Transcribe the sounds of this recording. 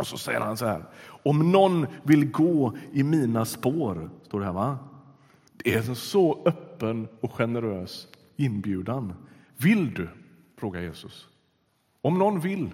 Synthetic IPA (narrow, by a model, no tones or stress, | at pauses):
ɔsɔsɛ̰jːə̰ɾhansɔhæ̰ːɾɔmnɔnːvɪlɡoːɪmiːnaspoːɾst̪oːɖɛɦæːɾva | d̪̥ɛæɾsɔœpːənɔkɧɛnəɾøːs | ɪnːbjʉ̟ːd̪an | vɪld̪ɵ | fɾoːɡaɾjḛːsɵs | ɔmnɔnvɪl